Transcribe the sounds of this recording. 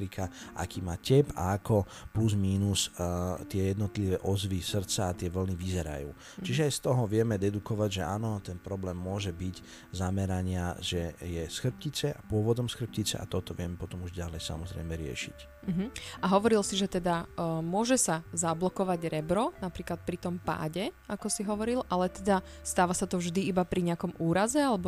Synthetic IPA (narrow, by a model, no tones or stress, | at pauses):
ɾikʰaʔa̰kiːmaːcɛpa̰akʰɔ | puzmiːnust̪ɪɛjɛd̪nɔt̪liʋɛʔɔzʋisr̩t͡saːt̪ɪɛʋl̩niʋizɛɾa̰jṵː | t͡ʃiʒɛajst̪ɔɦɔʋɪɛmɛd̪ɛd̪ukɔʋaɟʒɛa̰ːnɔt̪ɛnpɾɔblɛːmːʊɔʒɛbic | zamɛɾaɲɪaʒɛjɛsxr̩p̚cit͡sɛʔapʊɔʋɔd̪ɔmsxr̩p̚cit͡sɛ̰a̰t̪ɔt̪ɔʋɪɛmɛpɔt̪ɔmuʒɟalɛjsa̰mɔzɾɛ̰jmɛɾɪɛ̰ʃḭc̩ | ɦ̩aɦɔʋɔɾilsiʒɛt̪ɛd̪amʊɔʒɛsazablɔkɔʋaɟɾɛbɾɔnapɾiːklat̪̚pɾit̪ɔmpa̰ːɟɛ | akɔsiɦɔʋɔɾilʔalɛt̪ɛd̪ast̪aːʋasat̪ɔvʒd̪iːbapɾiɲɪakɔmuːɾazɛalɛbɔ